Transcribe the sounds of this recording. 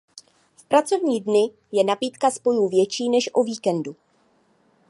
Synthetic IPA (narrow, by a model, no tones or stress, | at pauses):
fpɾat͡so̞vɲiːdnɪ | jɛnapiːt̪kaspo̞juːvjɛt͡ʃiːnɛʃʔoviːkɛndu